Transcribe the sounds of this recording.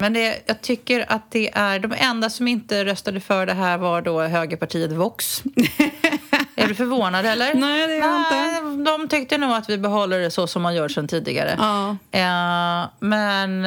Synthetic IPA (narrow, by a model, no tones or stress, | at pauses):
mɛnd̪ɛjɑːɡ̚t̪ʰʏkːəɾa̰t̪̚d̪ɛʔæɖɔmɛnd̪asɔmɪnt̪əɾœst̪ad̪əfœːɖɛɦæːɾvaɖɔːɦøːɡəpʰaʈʰiːət̪vʊks | æɖɵfœɾvoːnad̪hɛlːəɾnɛːd̪ɛɪnt̪əd̪ɔmt̪ʰʏk̚t̪ənuːɡat̪vɪbɛɦɔlːəɖɛsɔsɔmhanjuːʈʂɛnt̪ʰiːd̪ɪ̰ɡa̰ɾə̰ | mɛn